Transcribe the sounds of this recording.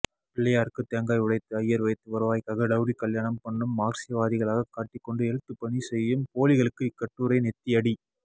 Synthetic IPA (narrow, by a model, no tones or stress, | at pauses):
pɪɭːɐjaːɾɯkːɯt̪ɛɐŋɡaːjʊɽɐɪt̪ːɯɐjːɐɾʋɐɪt̪ːɯʋɐɾɯʋaːjkɐɣɐɽɐʋɽikɐljaːɳɐmpɐɳːɯmːaːɾsɪjɐʋaːðɪɣɐɭaːɣɐkaːʈːɪkːɔɳɖɯɛɻɯt̪ːɯpːɐɳisɛjːɯmpoːlɪɣɐɭɯkːɯɪkːɐʈːuːɾɐɪnɛt̪ːiɐɽi